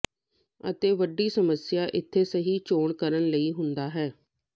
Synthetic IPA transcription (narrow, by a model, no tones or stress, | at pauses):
ə̰t̪eːʋəɖːiːsəməsjaːʔɪt̪ʰːeːsəɦiːt͡ʃoːɳkəɾənləiːɦʊnd̪aːɦɛː